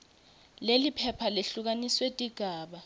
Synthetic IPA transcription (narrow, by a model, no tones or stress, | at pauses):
lelipʰɛpʰaleɬuk̬aniswetʼiɡ̥ʱaːɓa